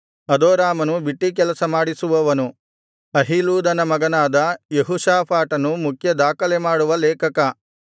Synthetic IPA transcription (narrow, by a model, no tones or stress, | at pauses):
ɐd̪oːɾaːmɐnubiʈːik̬ɛlɐsɐmaːɽisuʋɐʋɐnu | ɐɦiluːd̪ɐnɐmɐɡɐnaːd̪ɐjeɦuʃaːpʰaːʈɐnumukʰjɐd̪aːkɐlemaːɽuʋɐleːkɐkɐ